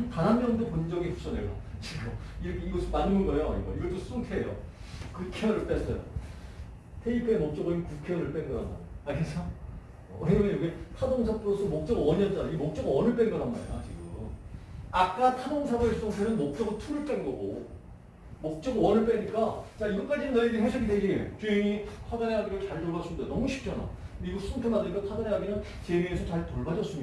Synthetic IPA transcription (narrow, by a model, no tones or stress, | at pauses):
tanɦanmjʌŋdopond͡ʑʌɡipʰu̥t͡ɕ͈ʰʌneɡat͡ɕiɡʌiɾʌkʰeiɡʌsʰɯmanɯmuŋɡʌjo̰ḭɡʌiɡʌt͈os͈utʰejo̰ | kɯkʰeʌɾɯɭp͈es͈ʌ̰jo̰ | tʰeipʰaemʌk̚t͡ɕ͈ʌɡʌɲikukʰeʌɾɯɭp͈enɡʌnɦanɡa̰oakesʰʌ | ʌɦeŋoejʌɡetʰadoŋsʰap͈ʰuos͈ʰomʌk̚t͡ɕ͈ʌɡɯwʌɲʌnd͡ʑaiemʌk̚t͡ɕ͈ʌɡɯwʌnɯɭp͈enɡʌnɦana̰ḛjo̰t͡ɕiɡɯmak͈atʰadoŋsʰabɯs͈ʌŋtʰenɯnmok̚t͡ɕ͈ʌɡɯtʰuɾɯɭp͈e̞nɡʌɡo̰ | mok̚t͡ɕ͈ʌɡɯwʌnɯɭp͈eɲik͈at͡ɕaiɡʌk͈ad͡ʑinɯnːaɾeɡiɦʰesʰʌɡiteɡieo̰t͡ɕueŋitʰadaneɦaɡiɾot͡ɕaɭtoɭbad͡ʑʰundonʌmuɕʰi̥p̚k͈jʌna̰ | biɡuk̚sʰupʰemandɯik͈atʰadaneɦaɡinɯn | t͡ɕeɾeːsʰʌt͡ɕaɭtoɭbad͡ʑʌs͈ɯmɲia